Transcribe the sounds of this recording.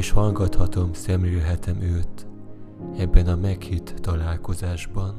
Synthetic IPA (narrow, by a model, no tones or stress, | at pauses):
ʃhɒlɡɒt̪hɒt̪o̞msɛmliːlɦɛt̪ɛmøːt̪ | ɛbːɛnɒmɛkhit̪ːɒlaːlko̞zaːʒbɒn